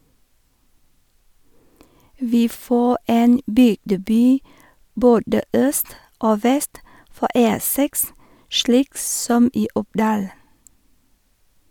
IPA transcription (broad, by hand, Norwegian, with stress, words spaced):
ˈʋiː ˈfoː ˈeːn ˈbʏɡdəˌbyː ˈboːdə ˈœst ˈoː ˈʋɛst ˈfɔ ˈeː ˈsɛks ˈʃliːk ˈsɔm ˈiː ˈʊpˌdɑːl